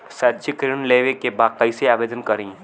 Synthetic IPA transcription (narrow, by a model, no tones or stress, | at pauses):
sɐd͡ʒikɾənleːʋekebaːkɐɪseaːʋeːd̪ənkɐɾĩː